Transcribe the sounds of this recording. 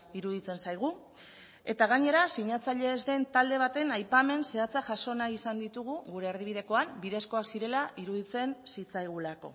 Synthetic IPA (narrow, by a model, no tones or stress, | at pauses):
iɾuðit͡se̞nsajɣ̞u | e̞t̪aɣ̞aɲe̞ɾasiɲat͡saʎe̞ːzd̪e̞nt̪ald̪e̞β̞at̪e̞najpame̞nse̞at͡saʝaso̞naisand̪it̪uɣ̞uɣuɾe̞ːɾð̞iβið̞e̞ko̞ambiðe̞sko̞aksiɾe̞laʔiɾuðit͡se̞nsit͡sajɣ̞ulako̞̰